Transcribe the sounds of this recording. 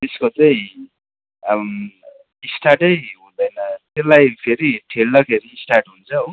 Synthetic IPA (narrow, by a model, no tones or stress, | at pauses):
t̪eskot͡saĩ | isʈʰaʈʌjɦũd̪ʌjnʌt̪elajpʰeɾiʈʰelnʌkʰeɾiːsʈaʈɦunt͡sʰʌo